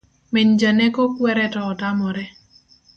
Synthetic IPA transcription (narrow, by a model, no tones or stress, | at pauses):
meɲd͡ʒanekokwɛɾɛtɔːtamɔɾɛ